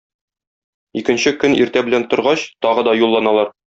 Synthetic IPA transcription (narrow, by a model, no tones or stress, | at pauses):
ikɘ̆nɕɘkɵnḭɾt̪æbɘ̆lænt̪ŏɾʁɑɕt̪ɒʁɤ̆d̪ɒjulˠːɑnɑlˠɑɾ